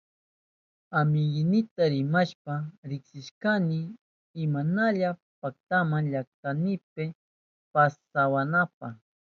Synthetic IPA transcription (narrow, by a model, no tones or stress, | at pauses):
amɪjɪnɪt̪aɾɪmaʃpaɾɪksɪʃkanɪː | manaʎa | pak̚t̪amaŋʎak̚t̪anɪp̚ɪ | pasawanapaχ